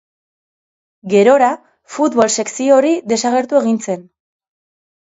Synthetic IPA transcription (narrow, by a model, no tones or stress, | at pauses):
ɡe̞ɾo̞ɾa | fut̪βo̞lse̞ksio̞ɾiðe̞saɣe̞ɾt̪ue̞ɣint͡se̞n